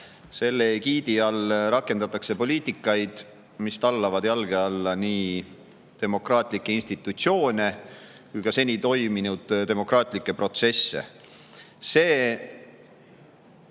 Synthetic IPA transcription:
se̞lːekiːd̪iɑlɾɑkˑːe̞nd̪ɑt̪ːˑɑkse̞po̞lʲiːt̪ikːˑɑjd̪̥ | mist̪ɑlːɑvɑd̪jɑlɡ̥eɑlːɑniː | t̪e̞mo̞krɑːt̪ˑlikːeinst̪it̪ːˑut̪sio̞ːnʲe̞ | kujkɑse̞nʲit̪o̞jminud̪̥t̪e̞mo̞krɑːt̪ˑlikːˑe̞pɾro̞t̪se̞sːe̞̰ | se̞ː

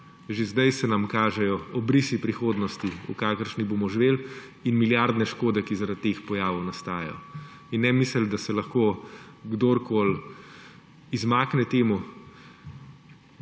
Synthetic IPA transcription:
ʒezd̪ajsɛnamkaːʒɛjɔɔbɾisipɾixoːd̪nɔst̪iṵkaːkəɾʃniboːmɔʒʋeːl | inmiljaɾd̪nɛʃkoːd̪ɛkizaɾat̪ːexpɔjaːʋɔwnast̪aːjɛ̰jɔ̰ | inːɛmisəld̪asɛlɐxko | ɡd̪oɾkoːl | izmaːknɛt̪eːmu

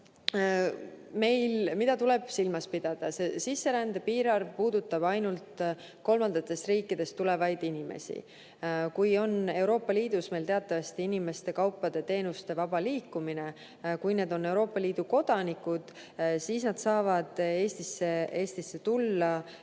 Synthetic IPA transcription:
me̞jlmid̪ɑt̪ule̞b̥silmɑspid̪̥ɑd̪̥ɑse̞sisːe̞ɾænd̪̥epiːɾɑrvpuːd̪̥ut̪ːˑɑb̥ɑjnult̪ | ko̞lmɑnd̪̥ɑt̪ːˑe̞st̪riːkːˑid̪̥e̞st̪ule̞vɑjd̪̥inimḛsḭ | kujo̞ne̞wɾo̞ːpːˑɑliːd̪̥usme̞jlt̪eɑt̪ːˑɑvɑst̪iinime̞st̪e̞kɑwpˑːɑd̪̥e̞t̪e̞ːnust̪e̞vɑb̥ɑliːkːˑumine̞ | kujne̞ːd̪o̞nːe̞wɾo̞ːpːˑɑliːd̪̥uko̞d̪̥ɑnikːˑud̪̥ | siːsnɑd̪̥sɑːvɑd̪̥e̞ːst̪isːe̞e̞ːst̪isːe̞t̪ulːɑ

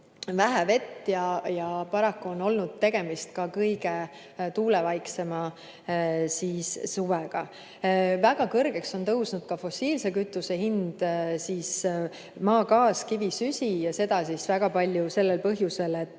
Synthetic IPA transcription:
væɦæve̞t̪ːjɑjɑpɑɾɑkːuo̞no̞lnud̪̥̚t̪e̞ɡ̥e̞mist̪̚kɑkɤjɡ̥e̞ | t̪uːlevɑjkse̞mɑ | siːssuveɡ̥ɑ̰ | væɡ̥ɑkɤrɡ̥e̞kso̞nt̪ɤwsnud̪̥kɑfo̞sːiːlse̞kyt̪ːˑuse̞hind̪̥siːs | mɑːkɑːskivisysʲijɑse̞d̪̥ɑsisvæɡ̥ɑpɑlʲjuse̞lːelpɤɦjuse̞le̞t̪ːˑ

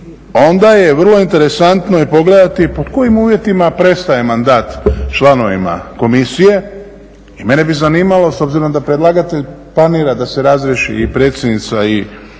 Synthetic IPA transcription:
o̞nd̪aje̞ʋr̩lˠo̞int̪eɾe̞sant̪no̞ipo̞ɡle̞d̪at̪ipod̪ko̞jimuːʋje̞t̪imapɾe̞st̪aje̞mand̪aːt̪t͡ʃlˠano̞ʋḭma̰ko̞misije̞ | ime̞ne̞bizaniːmalo̞so̞bziɾo̞md̪apɾed̪lˠaɡat̪eʎplaniːɾad̪ase̞ɾazɾjeʃḭːpɾe̞ːt̪sʲjed̪nit̪sai

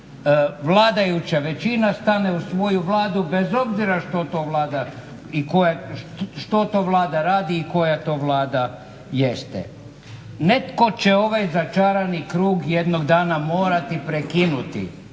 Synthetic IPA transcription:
ʋlaːd̪ajut͡ɕaʋe̞t͡ɕinast̪ane̞usʋo̞juʋlˠaːd̪ube̞zo̞bziɾaʃt̪ot̪oʋlˠaːd̪a | ikojaʃt̪o̞t̪o̞ːʋlˠaːd̪aɾaːd̪iːko̞jat̪o̞ːʋlˠaːd̪a | je̞st̪ɛ̰ | ne̞t̪ko̞t͡ɕeo̞ʋajzat͡ʃaːɾanikɾuːɡjed̪noɡd̪aːnamo̞ːɾat̪ipɾekinut̪ḭ

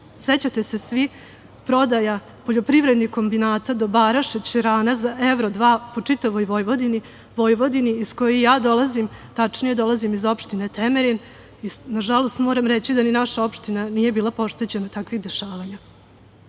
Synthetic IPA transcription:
set͡ɕat̪e̞se̞sʋi | pɾo̞d̪aja | po̞ʎo̞pɾiʋɾed̪nixko̞mbinaːt̪ad̪obaɾaʃet͡ɕɾaːnazaeʋɾod̪ʋaːpo̞t͡ʂit̪aʋojʋo̞jʋo̞d̪ini | ʋo̞jʋo̞d̪iniisko̞jojaːd̪o̞lazimt̪at͡ʂnije̞d̪o̞lˠazimizo̞pʃt̪inet̪emeɾen | inaʒalo̞st̪mo̞ːɾamɾet͡ɕid̪aninaʃao̞pʃt̪inanije̞biːlˠapo̞ʂt̪et͡ɕe̞nat̪akʋiɣd̪e̞ʃaːʋaɲa

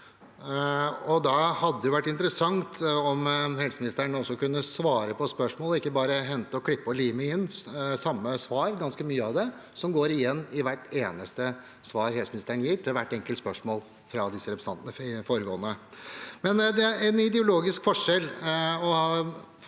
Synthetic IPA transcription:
ɔd̪ɑhɑd̪ːəd̪jʊʋæʈːɪnt̪əɾəsɑŋt̪ʰɔmhɛlsəmɪnɪst̪əɾəɳɔsːɔkʉnːəsʋɑːɾəpɔspœʂmoːlɔɪkːəbɑːɾəɦɛnt̪əɔkʰɽɪpːɔliːməɪnːsɑmːəsʋɑːɾɡɑnskəmyːəɑʋd̪ɛ | sɔmɡoːɾɪjɛnːɪʋæʈːeːnəst̪ə | sʋɑːɾɦɛlsəmɪnɪst̪əɾəɳjɪːt̪ʰɪlʋæʈːɛŋkəlt̪spœʂmoːl | fɾɑd̪ɪsːəɾɛpɾst̪ɑnt̪nəɪfoːɾəɡoːənəmɛnd̪ɛæɛnɪd̪ɛʊloːɡɪskfɔʂɛlːɔhɑ

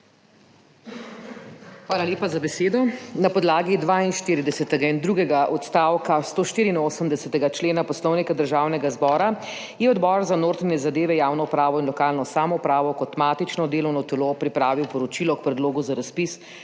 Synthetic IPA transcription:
xʋaːlaleːpazabɛseːd̪ɔnapɔd̪laːɡid̪ʋainʃt̪iːɾid̪ɛsɛt̪ɛɡaind̪ɾuːɡɛɡaʔɔt̪st̪aːwkast̪oːʃt̪iːɾiːnoːsəmd̪ɛsɛt̪ɛɡat͡ʃleːnapɔslɔwnikad̪əɾʒaːwnɛɡazbɔːɾa | jɛɔd̪bɔːɾzanoːɾt̪ɾɛnʲɛzad̪eːʋɛjaːwnɔupɾaːʋɔinlɔkaːlnɔsaːmɔupɾaːʋɔkɔt̪maːt̪it͡ʃnɔd̪eːlɔwnɔt̪ɛlopɾipɾaːʋiwpɔɾɔt͡ʃilɔkpɾɛd̪loːɡuzaɾaspis

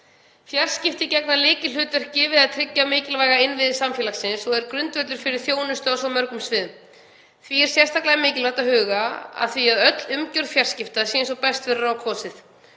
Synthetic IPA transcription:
fjar̥scɪft̪ɪcɛknalɪːcɪlʏːt̪œr̥cɪvɪðaðt̪ʰɾɪcːamɪːcɪlvaːjɣaɪnvɪðsamfjɛlaxsɪnsɔɣɛɾkɾʏnt̪vœt̪lʏɾ̥fɪɾɪɾ̥θjoːwnʏst̪ʏawsɔmœɾkʏmsvɪð | θviɛɾ̥sjɛst̪aklaðmɪːcɪlvaht̪ahʏːɣaa̰ðθviaðœt̪lʏmcʏɾ̥fjar̥scɪft̪asiɛns̬ɔpɛst̪vɛːɾʏɾawkʰvɔːsɪθ

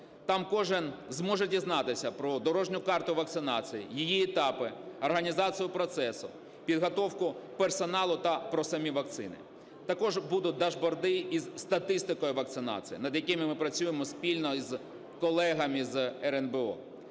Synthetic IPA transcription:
t̪ɑmkɔʒɪnzmɔʒɛdʲiznɑt̪ɪsʲɐpɾɔd̪ɔɾɔʒnʲʊkɑrt̪ʊʋɐk̚t̪sɪnɑt͡sʲijḭjijiɛt̪ɑpɪɐrɦɐnʲizɑt͡sʲijʊpɾɔt̪sɛsʊ | pʲid̪ɦɔt̪ɔwkʊpersɔnɑlˠʊt̪ɐpɾɔsɐmʲiʋɐk̚t̪sɪ̰nɪ̰ | t̪ɐkɔʒbud̪ʊt̚ʲd̪ɐʒbɔrd̪ɪizst̪ɐt̪ɪst̪ɪkɔjʊʋɐk̚t̪sɪnɑ̰t͡sʲḭjḭnɐd̪jɐkɪmɪmɪpɾɐt͡sʲujemɔspʲilʲnɔiz | kɔlˠɛɦɐmizɛɾɛnbɛɔ̰

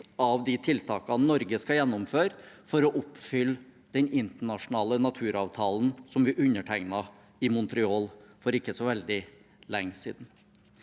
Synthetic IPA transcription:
ɑʋd̪ɪt̪ʰɪlt̪ʰɑːkɑnɔɾɡəskɑjɛnːʊmføːɾfɔɾɔʔʊpːfʏlː | d̪̥ɛnɪnt̪əɳɑʂʊnɑːlənɑt̪ʰʉːɾɑːʋt̪ʰɑːlnsɔmʋɪʔʉnːəʈʰæɪnɑ | ɪmʊnt̪ɾɪoːlfɔɾɪkːəsɔʋɛld̪ɪ | lɛŋːsḭːd̪n

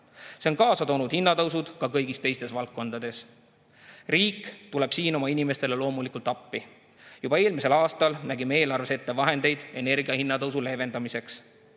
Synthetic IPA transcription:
se̞onkɑːsɑt̪o̞ːnud̪̥hinːɑt̪ɤwsud̪̥kɑkɤjɡist̪e̞jst̪e̞svɑlk̚ːo̞nd̪ɑd̪̥e̞s | riːkːˑt̪ule̞b̥siːno̞mɑinime̞st̪e̞le̞lo̞ːmulikult̪ːˑɑpːi | jub̥ɑe̞ːlmise̞lɑːst̪ɑlnæɡime̞ːlɑrve̞se̞t̪ːe̞vɑɦe̞nd̪e̞jd̪̥e̞ne̞rɡiɑhinːɑt̪ɤwsule̞ve̞nd̪̥ɑmise̞ks

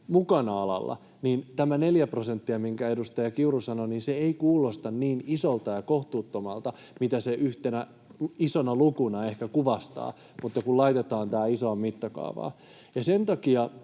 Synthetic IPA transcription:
mukɑnɑɑlɑ̰lːɑ̰ | niːnt̪æmæne̞ljæprosent̪ːiɑmiŋkæedust̪ɑjɑkiurusɑnoniːnseeikuːlost̪ɑnniːnisolt̪ɑjɑkoht̪uːt̪ːomɑlt̪ɑ | mit̪æseʔyht̪enæ | isonɑlukunɑehkækuʋɑst̪ɑ̰ː | mut̪ːɑkullɑit̪et̪ɑːnt̪æːisoɑmmit̪ːɑkɑ̰ːʋɑ̰ː | jɑsent̪ɑkiɑ

